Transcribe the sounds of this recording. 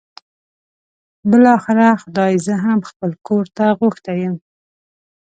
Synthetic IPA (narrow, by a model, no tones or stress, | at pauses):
bɪlɑxɪɾaxʊd̪ɑjzəɦamxpəlkʰoɾt̪aɣʊxt̪ajəm